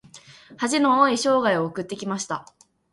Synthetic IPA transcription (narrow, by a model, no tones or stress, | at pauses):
haʑino̞oiɕo̞ːɡaio̞ːkɯ̟t̪ːe̞kʲimaɕi̥t̪a